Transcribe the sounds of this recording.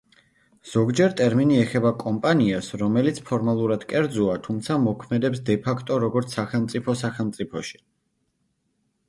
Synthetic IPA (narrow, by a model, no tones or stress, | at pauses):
z̥ɔɡd͡ʒɛɾt̪ʼɛɾminiɛχɛbakʼɔmpʼaniasɾɔmɛlit̪sʰpʰɔɾmalˠuɾad̪̥kʼɛɾd̪zuat̪ʰumt̪sʰamɔkʰmɛd̪ɛpsd̪ɛpʰakʰt̪ʼɔɾɔɡɔɾt̪sʰsaχɛlˠmt̪sʼipʰɔsaχɛlˠmt̪sʼipʰɔʃi̥